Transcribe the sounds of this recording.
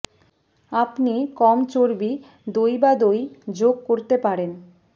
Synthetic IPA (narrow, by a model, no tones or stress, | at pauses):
apnikɔmt͡ɕoɾbi | d̪ojbad̪ojd͡ʑoɡ̚koɾt̪epaɾen